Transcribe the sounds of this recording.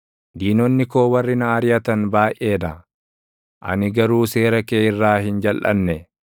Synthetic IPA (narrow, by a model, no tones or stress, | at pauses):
d̪iːnɔnːɪko̞ːwɐrːɪnɐːɾjɐt̪ɐnbaːjʔe̞ːd̪ɐ | ʔɐ̰nɪɡɐɾuːse̞ːɾɐkeːɪrːaːɦɪnd͡ʒɐlʔɐ̰nːɛ